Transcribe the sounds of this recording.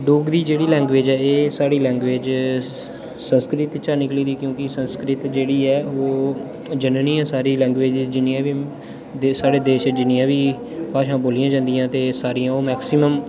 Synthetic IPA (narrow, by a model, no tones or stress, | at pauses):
ɖoːɡd̪iːd͡ʒeːɽiːlɛ̃ːŋɡʋeːd͡ʒɛːeːsaːɽiːlɛ̃ːŋɡʋeːd͡ʒ | sənskɾɪt̪t͡ʃaːnɪkliːd̪iːkjõːkɪsə̃nskɾɪt̪d͡ʒeːɽiːɛːoː | d͡ʒənəniːãːsaːɾiːlɛ̃ːŋɡʋeːd͡ʒd͡ʒɪnːɪãːʋiː | saːɽeːd̪eːʃɛd͡ʒɪnɪjãːʋiː | paːʃãːboːlɪjãːd͡ʒãːnd̪ɪjãːt̪eːsaːɾijãːoːmɛːksɪməm